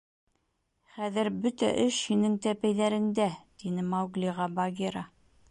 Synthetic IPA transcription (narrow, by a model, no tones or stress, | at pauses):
χæðɘɾbɵt̪æ̰ʔɘʃhinɘŋt̪æpæjðæɾɘ̆nd̪æt̪inɘmɑwɡlʲiʁɑbɑɡʲeɾɑ